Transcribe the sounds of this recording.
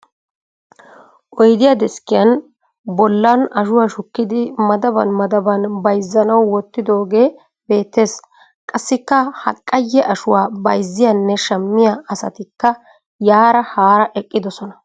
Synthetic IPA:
ʔɔjd̪ɪjad̪ɛskɪjɐn | bɔlːɐnɐʃʊwaːʃʊkːɪd̪ɪmɐd̪ɐbɐ̰nmɐd̪ɐbɐnbɐjzːɐnɐwːɔt̪ːɪd̪o̞ːɡeː | b̥e̞ːt̪ːe̞ːs | kʼɐsːɪkːɐhɐ̰kʼːɐjːɛʔɐʃʊwaːbɐjzːɪjɐnːɛʃɐmːɪjaɐsɐ̰t̪ɪkːɐ | jaːɾɐhaːɾɐʔɛkʼːɪd̪ɔsɔnɐ

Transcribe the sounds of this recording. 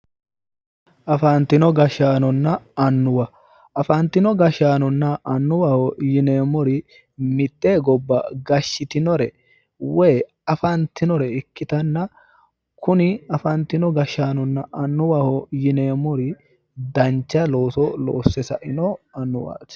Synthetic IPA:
ʔɐfɐnt̪ːɪnɔɡɐʃaːnɔnːɐɐnːʊwɐ | ɐfɐnt̪ːɪnɔɡɐʃaːnɔnːɐʔɐnːʊwɐhɔjɪne̞ːmɔɾɪ | mɪt̪ʼːeːɡɔbːɐ̰ɡɐʃːɪt̪ɪnɔɾɛ | wɛː | ɐfɐnt̪ːɪnɔɾɛɪkːɪt̪ɐnːɐ | kʊnɪɐfɐnt̪ːɪnɔɡɐʃaːnɔnːɐʔɐnːʊwahɔjɪne̞ːmɔɾɪ | d̪ɐnt͡ʃːɐlo̞ːsɔlo̰ːsːɛsɐʔɪnɔɐnːʊwa̰ːt

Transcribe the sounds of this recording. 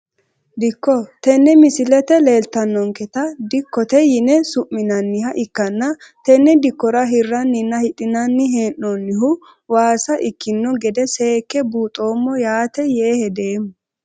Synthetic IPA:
d̪ɪkːɔt̪ɛnːɛmɪsɪlɛt̪ɛle̞ːlt̪ɐnːɔŋkɛt̪ɐd̪ɪkːɔt̪ɛjɪnɛsʊʔmːɪnɐnːɪhɐʔɪkːɐnːɐt̪ɛnːɛd̪ɪkːɔɾɐɦɪrːɐnːɪnːɐhɪt̪ʼːɪnɐnːɪɦeːnːonːɪɦʊ | waːsɐʔɪkːɪnːɔɡɛd̪ɛse̞ːkːɛbuːt̪ʼo̞ːmːɔjaːt̪ɛjeːhɛd̪e̞ːmʊ

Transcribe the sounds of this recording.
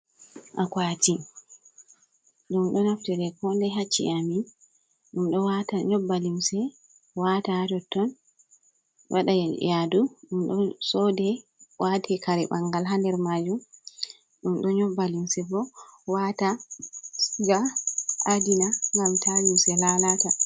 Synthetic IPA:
ʔakwati | ɗumɗɔnaftɛɾɛkɔndɛɦat͡ʃːḭamin | ɗumɗɔwataɲɔbːalimsɛ | watad͡ʒɔtːɔn | wʔa̰ɗajajaduɗumɗɔsɔdɛwatʰɛkʰaɾɛɓaŋɡalɦandɛɾmad͡ʒum | ɗumɗɔɲɔbːalimsɛbɔwatasɡaʔadinaŋɡamtʰalimsɛlalata

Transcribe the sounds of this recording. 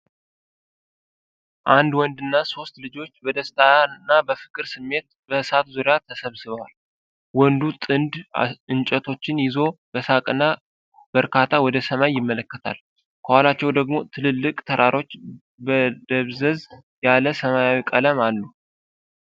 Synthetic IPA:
ʔand̪wɔnd̪ɨnːaso̞st̪lɨd͡ʒo̞t͡ʃːbəd̪əst̪ʰanːabəfɨ̥kʼɨɾsɨmːe̞t̪̚ | bəsat̪zuɾɪjat̪ʰəsəβsɨβal | wɔnd̪ut̪ʼɨnd̪ɨnt͡ʃʼət̪ʰo̞t͡ʃːɪnjɪzo̞bəsakʼɨnːa | bəɾkʰat̪ʰːawɔd̪əsəmajːɪmːələkːət̪ʰa̰l | kʰəhalat͡ʃːɛwd̪əɡmo̞t̪ʰɨlɨlːɨkʼt̪ʰəɾʔaɾo̞t͡ʃː | bəd̪əβzəz | jaləsəmajawikʼələmalːu

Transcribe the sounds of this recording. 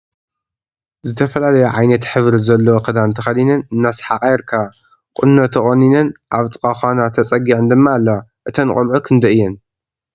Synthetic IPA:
zɨt̪ʰɐfɐlalɐjuʕajnɐt̪ħɨβɾizɐlːɐwokʰɐd̪ant̪ʰɨxɐd̪inɨnɨnːasħaqʼajɛɾkʰa | kʼʊnːɐt̪ʰɐχʼɐninɨnʔaβt̪ʼɨkʼaxʷanat̪ʰɐt͡sʼɐɡiʕɨnd̪ɨmːaːlːɐwaʔɨt̪ʰɐnɨkʼʊlʕukʰɨnd̪ɐɨjːɛn

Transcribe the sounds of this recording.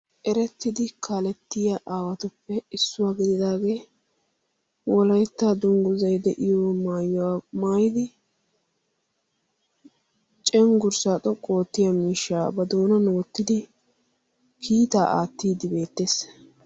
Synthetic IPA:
ʔɛɾɛt̪ːɪd̪ɪkaːlɛt̪ːɪjaʔaːwɐt̪ʊpːɛɪsːʊwaːɡɪd̪ɪd̪aːɡe̞ː | wɔlɐjt̪ːaːd̪ʊŋɡʊzɐjd̪ɛʔɪjoːmaːjwamaːjɪd̪ɪ | t͡ʃʼɛŋɡʊɾsaːt̪ʼɔkʼo̞ːt̪ːɪjɐmiːʃːaːbɐd̪oːnɐnoːt̪ːɪd̪ɪ | kʰiːt̪a̰ːʔaːt̪ːiːd̪ɪbe̞ːt̪ːeːs

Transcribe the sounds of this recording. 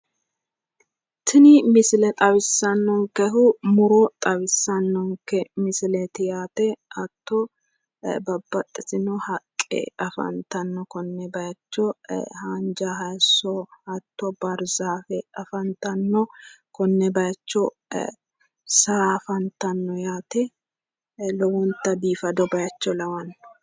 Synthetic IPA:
t̪ɪnɪmɪsɪlɛt̪ʼɐwɪsːɐnːɔŋkɛɦʊmʊɾɔt̪ʼɐwɪsːɐnːɔŋkɛmɪsɪlɛt̪ɪjaːt̪ɛɐt̪ːɔ | bɐbːɐt̪ʼːɪsɪnɔhɐkʼːɛ̰ɐfɐ̰nt̪ɐnːɔkɔnːɛbɐjɐt͡ʃːɔhaːnd͡ʒaɦɐsɔɐt̪ːɔbɐɾzaːfɛɐfɐnt̪ɐnːɔkɔnːɛbɐjɐt͡ʃːɔ | safɐnt̪ɐnːɔjaːt̪ɛ | lɔwɔnt̪ɐbiːfɐd̪ɔbɐjɐt͡ʃːɔlɐwɐnːɔ̥

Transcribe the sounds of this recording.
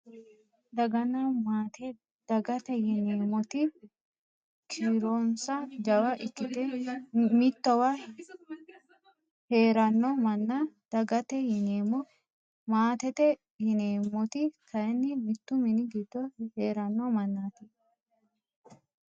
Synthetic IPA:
d̪ɐɡɐnːɐmaːt̪ɛ | d̪̥ɐɡɐt̪ɛjɪneːmɔt̪ɪ | kʰiːɾoːnsɐd͡ʒɐwɐʔɪkːɪt̪ɛmɪt̪ːɔwɐ | he̞ːɾɐnːɔmɐnːad̪̥ɐɡɐt̪ɛhɪneːmɔ | maːt̪ɛt̪ɛ | hɪneːmɔt̪ɪkʰɐjɛnːɪmɪt̪ːʊmɪnɪɡɪd̪̥ːɔheːɾɐnːɔmɐnːaːt̪ɪ

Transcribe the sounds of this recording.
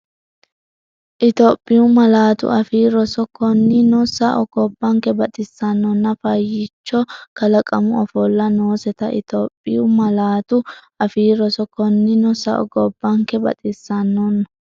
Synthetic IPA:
ʔɪt̪oːpʼːɪjʊmɐlaːt̪ʊ̰ʔɐfiːɾɔsɔkɔnːɪnɔsɐʔɔɡ̥ɔbːɐŋkːɛbɐt̪ʼɪsːɐnːɔnːɐfɐjːɪt͡ʃːɔkɐlɐkʼɐmʊɔfɔlːɐno̞ːsɛt̪ɐʔɪ̰t̪oːpʼːɪjʊmɐlaːt̪ʊʔɐfiːɾɔsɔkɔnːɪnɔsɐ̰ʔɔ̰ɡɔbːɐŋkɛbɐ̰t̪ʼɪsːɐnːɔnːɐ

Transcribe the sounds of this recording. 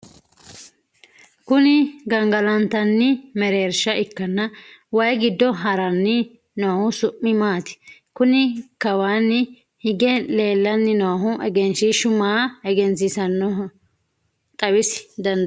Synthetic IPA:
kʊnɪɡɐŋɡɐlɐnt̪ɐnːɪmɛɾeːɾʃɐʔɪkːɐnːɐwɐjɡɪd̪ːɔɦɐɾɐnːɪ | nɔhʊsʊʔːɪmaːt̪ɪ̥kʊnɪkɐwaːnːɪ | hɪɡɛle̞ːlːɐnːɪnoɐɦʊʔɛɡɛnsɪʃʊmaːɛɡɛnt͡sɪsɐnːɔ | t̪ʼɐwɪsɪ̥d̪ɐnd̪

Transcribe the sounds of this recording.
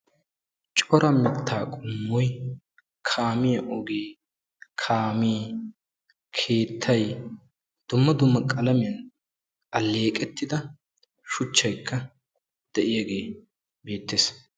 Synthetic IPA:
t͡ʃʼɔɾɐmɪt̪ʰːaːkʼʊmːɔj | kʰaːmɪjɐʔɔɡeː | kʰaːmiː | kʰe̞ːt̪ʰːɐj | d̪̥ʊmːɐd̪ʊmːɐkʼɐlɐmɪjɐn | ɐlːe̞ːkʼɛt̪ːɪd̪ɐ | ʃʊt͡ʃːɐjkʰːɐ | d̪̥ɛʔɪjaɡe̞ː | be̞ːt̪ːeːs

